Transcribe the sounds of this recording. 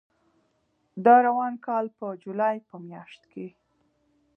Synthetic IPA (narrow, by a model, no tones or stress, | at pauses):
d̪ɑɾawɑnkɑlpəd͡ʒulɑjpəmjɑʃt̪ke